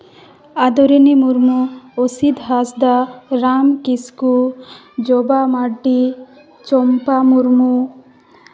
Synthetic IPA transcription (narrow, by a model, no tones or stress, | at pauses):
ad̪ɔɾinimuɾmuosid̪ɦasd̪aɾamkisku | d͡ʒɔbamaɖi | t͡ʃɔmpamuɾmu